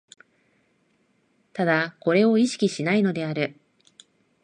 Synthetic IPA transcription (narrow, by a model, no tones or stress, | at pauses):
t̪ad̪ako̞ɾe̞o̞iɕi̥kʲiɕinaino̞d̪e̞aɾɯ̟